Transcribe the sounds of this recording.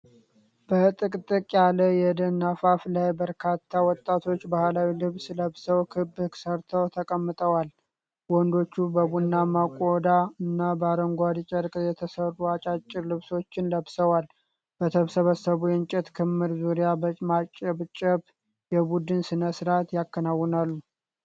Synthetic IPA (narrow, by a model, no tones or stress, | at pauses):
b̥ət̪ʼɨkʼt̪ʼɨkʼjaləjɛd̪ənːafaflajbəɾkʰat̪ʰːawɔt̪ʼːat̪ʰo̞t͡ʃːbahlawilɨβsləβsəwkʰɨbhɨksəɾt̪ʰəwt̪ʰəkʼəmːɨt̪ʼəwal | wɔnd̪o̞t͡ʃːubəbunːamakʼːod̪aɨnːabəaɾəŋɡʷad̪it͡ʃʼəɾkʼəjɛt̪ʰəsərːuat͡ʃʼat͡ʃʼːɪɾlɨβso̞t͡ʃːɪnləβsəwal | b̥ət̪ʰəβsəβəsːəβujɛnt͡ʃʼɛt̪kʰɨmːɨɾzuɾijabəmat͡ʃʼɛβt͡ʃʼɛβ | jɛbud̪ɨnsɨnəsɾat̪jakːənawːɨnalːu